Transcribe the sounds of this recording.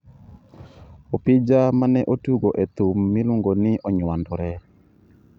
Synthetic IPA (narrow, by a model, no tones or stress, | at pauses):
opid͡ʒamanɛʔotuɡoʔet̪umːiluŋɡonɪʔɔɲwandɔɾɛ